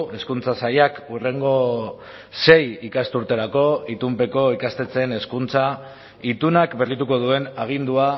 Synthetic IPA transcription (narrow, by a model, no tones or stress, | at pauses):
e̞skunt͡sasajakure̞ŋɡo̞ | se̞jikast̪uɾt̪e̞ɾako̞it̪umpe̞ko̞ikast̪e̞t͡se̞ne̞skunt͡sa | it̪unakbe̞rit̪uko̞ð̞ue̞naɣ̞ind̪ua